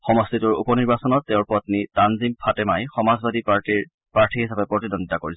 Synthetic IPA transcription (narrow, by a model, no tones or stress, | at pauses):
xɔmɔstituɹṵpɔniɹbasɔnɔtːɛʊ̃ɹpɔt̪nitanzimpʰatɛmajxɔmazbadi | paɹtʰihisabɛpɹɔtidɔnditakoɹis